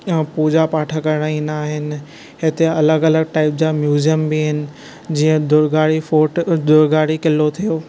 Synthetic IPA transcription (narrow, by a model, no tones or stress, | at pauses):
puːd͡ʑapaːʈʰəkɐɾɽ̃ainaːɦɪnɪ̆ | ɦɪt̪eɐləɡɐləɡʈaːɪp̚d͡ʑamjuːzijəmbiɦɪnɪ̆ | d͡ʑiːə̃d̪ʊɾɡaːɽifoːʈd̪ʊɾɡaːɽikɪlːot̪ʰijoː